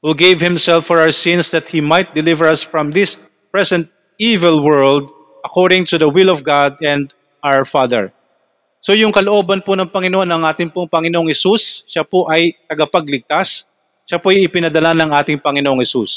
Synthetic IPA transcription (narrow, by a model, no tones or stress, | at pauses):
huɡejvhɪmsɛlfːɔɹawəɹsɪ̃nsd̪ɐt̪̚himajt̪̚d̪ɛlɪvɛɹɐsfɹɐmðɪs | pɹɛsɛnt̪̚ | ivɛlwɛɹld̪̚ | ʔɐkoɹd̪ɪŋt̪ʊðɐwɪlɔvɡad̪̚ɛ̃nd̪ | ʔawəɹfaðɛ̰ɹ | so̞jʊŋkɐloʔo̞ːbɐnponɐŋpɐŋɪnoʔonɐŋʔaːt̪ɪŋpoŋpɐŋɪnoʔoŋhɛsusʃapoʔɐjt̪ɐɡɐpɐɡ̚lɪɡ̚t̪as | ʃapoɐjɪpɪnɐd̪ɐlanɐŋʔaːt̪ɪŋpɐŋɪnoʔoŋhɛsus